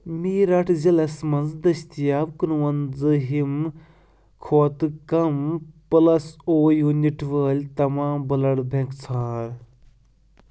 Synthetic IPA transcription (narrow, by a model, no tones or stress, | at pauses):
miːɾɐʈʰzɐlɐsmɐnzd̪ɐst̪jaːbkɨnuwɐnzɨɦim | kʰoːt̪ɨkɐmpɐlɐsoːjuːnʲiʈʰʋəːlʲt̪ɐmãːmbɐlɐɽbʱeŋkt͡sʰaːɾ